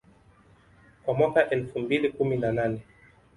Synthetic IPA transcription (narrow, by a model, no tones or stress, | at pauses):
kwamwakaʔɛlfumbilikuminananɛ